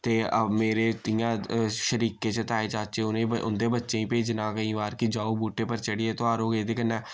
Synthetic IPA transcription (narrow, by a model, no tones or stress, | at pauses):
t̪eːəmeːɾeːt̪ɪjãːʃəɾiːkeːt͡ʃət̪aːeːt͡ʃaːt͡ʃeːʊnẽːʊ̰nd̪eːbətːʃẽːĩːpeːd͡ʒnaːkəĩːʋaːɾkɪd͡ʒaːoːbuːʈeːpəɾt͡ʃəɽɪeːt̪oaːɾoːɡeːd̪eːkənɛ̃ː